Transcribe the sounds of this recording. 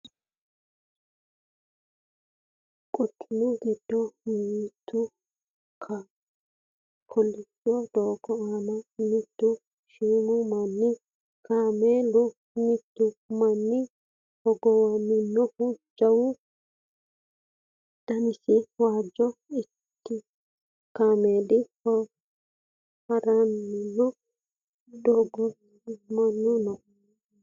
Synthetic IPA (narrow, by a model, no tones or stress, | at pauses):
kʼʊkʼːɪnʊɡɪd̪̥ːɔmiːt̪ʰːʊ | kʰɐ | kʰɔlːɪsɪjɔd̪oːkːɔaːnɐmɪt̪ːʊ | ʃiːmʊmɐnːɪ | kʰaːmeːlːʊ | mɪt̪ːʊmɐnːɪ | hɔɡɔwanːɪnːɔhud͡ʒɐwu | d̪̥ɐnɪsɪwaːd͡ʒːɔɪ | t̪ːɪ | kamedikɔ | hɐɾanːinːɔ | d̪ɔɡɔ | mɐnːunɔ